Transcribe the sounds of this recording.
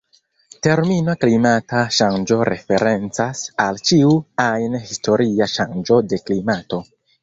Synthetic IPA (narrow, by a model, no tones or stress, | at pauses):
te̞ɾminaklimataʃand͡ʒo̞ɾʔe̞̰fe̞ɾe̞nt͡sasalt͡ʃiuajnhisto̞ɾiaʃand͡ʒo̞de̞klimato̞